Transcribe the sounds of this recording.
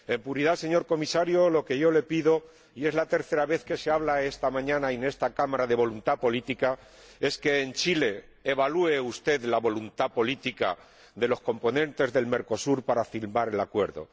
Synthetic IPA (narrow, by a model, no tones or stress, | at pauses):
e̞mpuɾiðase̞ɲo̞ɾko̞misaɾjo̞lo̞ke̞ʝo̞le̞piðo̞ | ie̞zlat̪e̞ɾθe̞ɾaβe̞θke̞seaβlae̞st̪amãɲãnaine̞st̪akamaɾaðe̞β̞o̞lunt̪apo̞lit̪ika | e̞ske̞ːnt͡ʃile̞ː | β̞alue̞ust̪e̞ðlaβo̞lunt̪apo̞lit̪ika̰ | ðe̞lo̞sko̞mpo̞nẽ̞nt̪e̞zðe̞lme̞ɾko̞suɾpaɾafilmaɾe̞lakweɾðo̰